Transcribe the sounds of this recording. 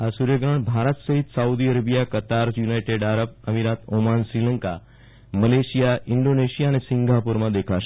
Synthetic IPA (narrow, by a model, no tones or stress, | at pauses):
ɦasuɾeɡɾəɳbʱaɾət̪səɦit̪saud̪iəɾəbijakət̪aɾjunajʈeɖaɾəp̚əmiɾat̪omansɾiləŋka | məleɕijaiɳɖoneɕijaːñesiŋɡʱapuɾmad̪ekʰaʃ